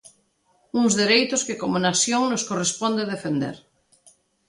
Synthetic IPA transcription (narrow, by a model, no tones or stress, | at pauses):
uŋzðeɾejt̪oskekomonasjoŋnoskorespond̪eðefend̪ḛɾ